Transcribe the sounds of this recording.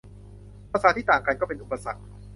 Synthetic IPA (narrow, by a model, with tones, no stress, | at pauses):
paː˧˩saː˨˦˥t̪ʰiː˥˩t̪aː˨˩ŋka˧nkɔː˥˩pe˧nʔu˨˩pːa˧sa˨˩k̚